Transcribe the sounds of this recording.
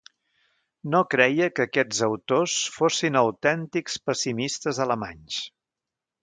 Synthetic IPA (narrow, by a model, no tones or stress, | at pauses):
nokɾɛjəkəkɛd͡zəwt̪osfosinəwt̪ɛnt̪ikspəsimist̪əzələma̰ɲs